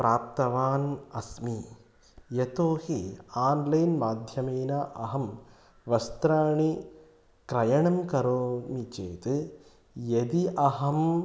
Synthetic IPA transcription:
pɾaːp̚t̪ɐʋaːnɐsmi | jet̪oːhiaːnlɐjnmaːd̪ʱjɐmeːnɐʔɐɦɐm | ʋɐst̪ɾaːɳi | kɾɐjɐɳɐmkɐɾoːmit͡ʃḛːt̪ɨ | jed̪iʔɐɦɐm

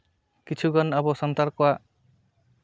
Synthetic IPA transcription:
kit͡ʃʰuɡɔnabɔsɔnt̪aɾkɔaʔ

